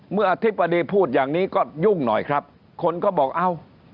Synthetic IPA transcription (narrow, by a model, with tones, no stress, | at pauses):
mɯ˥˩ɐʔa˧t̪ʰi˦˥pːa˧diː˧pʰuː˥˩t̪̚jaː˨˩ŋniː˦˥kɔː˥˩ju˥˩ŋnɔ̰˨˩jkʰɾa˦˥p̚ | kʰo˧nkɔː˥˩bɔː˨˩k̚ʔa˧˩w